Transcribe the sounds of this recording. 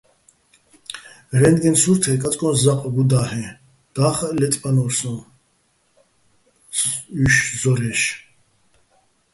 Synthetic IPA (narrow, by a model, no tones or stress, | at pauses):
ɾɛnd̪ɡɛnsuɾt̪ʰɛkʼat͡sʼkʼɔnszaqʼɡud̪ahɛ | d̪̥aːχlɛt̪ʼpʼanɔɾsɔ̃ | yʃzɔɾɛʃ